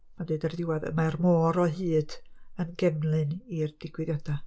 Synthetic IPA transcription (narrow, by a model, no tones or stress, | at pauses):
madeɨdardɪwaðə̰marmɔːɾɔɦɨːd̥ənɡɛmlˠɨnird̥ɪɡ̥wɨðjɔd̥a